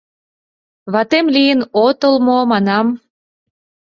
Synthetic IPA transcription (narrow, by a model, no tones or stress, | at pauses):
βɑt̪emlijənot̪əlmomɑnɑm